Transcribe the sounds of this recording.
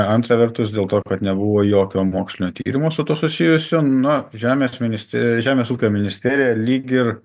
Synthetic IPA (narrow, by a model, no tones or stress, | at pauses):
ɐnt̪ɾɐʋʲɛrt̪ʊsdʲeːlˠt̪oːkɐt̪nʲɛbʊʋoːjoːkʲoːmoːksʲlʲɪnʲoːt̪ʲḭːɾʲɪmoːsʊt̪uɔsʊsʲɪjʊsʲʊnʊʒʲæːmʲeːsmʲɪnʲɪsʲt̪ʲʒʲæːmʲeːsuːkʲoːmʲɪnʲɪsʲt̪ʲæːɾʲɪjɛlʲiːɡʲɪr